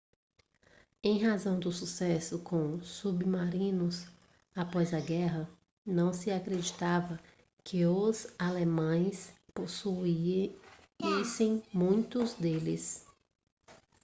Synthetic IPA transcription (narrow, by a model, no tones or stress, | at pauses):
ẽj̃ɦazɐ̃w̃d̪ʊsusɛsʊkʰõsubmaɾĩnʊs | apɔjzɐɡɛɦɐ | nɐ̃w̃sɪakɾed͡ʒit̪avɐ | kʰɪʊzalemɐ̃j̃sposui | isẽj̃mũj̃t̪ʊzd̪elɪ̰s